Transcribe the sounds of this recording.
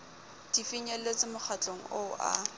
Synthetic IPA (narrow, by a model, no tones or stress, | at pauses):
d̥ifiɲɛlet͡sɪmʊk͡xʰat͡ɬʼoŋ̩̰ʊʔa̰